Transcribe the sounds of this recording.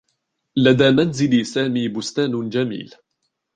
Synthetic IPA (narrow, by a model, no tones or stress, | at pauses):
lad̪aːmanzɪlsaːmiːbʊst̪aːnd͡ʒamḭːl